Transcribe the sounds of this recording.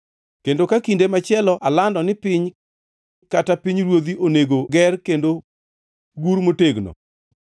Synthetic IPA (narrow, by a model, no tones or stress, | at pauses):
kendokakindemat͡ʃɪɛlɔʔalandɔnɪpɪɲ | katapiɲɾwod̪iʔoneɡoɡɛrkendo | ɡuɾmoteɡnɔ̰